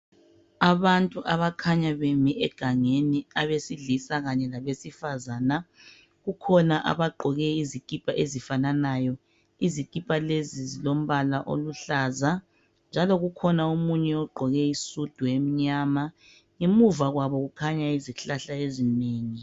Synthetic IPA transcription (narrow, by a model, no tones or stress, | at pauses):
aβantʼuʔaβakʰaɲaβemiʔɛɡ̥ʱaŋeniaβesiɮisaɣaɲɛlaβesifazaːna | ɣukʰɔnaʔa̰βaɡ͡ǃʱɔɣɛizikʼipʼaʔezifananaːjɔ | izikʼipʼalezizilom̩βalaʔo̰luɬaza | nd͡ʒʱalɔɣukʰɔnaumuɲɛɔɡ͡ǃʱɔɣɛisud̥ʱuem̩ɲama | ŋemuvaɣwaβɔɣukʰaɲaiziɬaɬaezineːŋi